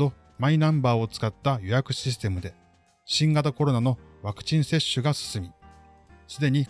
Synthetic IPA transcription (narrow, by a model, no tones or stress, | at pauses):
o̞ | mainãmbaːo̞t͡sɨ̥kat̪ːajo̞jakɯ̟ɕis̬t̪e̞mɯ̟d̪e̞ | ɕĩŋɡat̪ako̞ɾo̞nano̞βakɯ̟̥t͡ɕĩɰ̃se̞ɕːɨɡasɨ̥sɨmʲi | sɨd̪e̞ɲ̟i